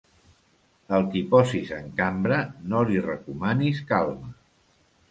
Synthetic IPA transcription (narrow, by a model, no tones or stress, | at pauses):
əlˠkipɔsizəŋkambɾənolirəkumaniskalˠmə